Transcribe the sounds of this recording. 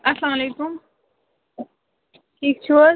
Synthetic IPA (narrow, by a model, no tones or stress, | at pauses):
ɐslaːmɐleːkʊm | ʈʰiːk̚t͡ʃʰuo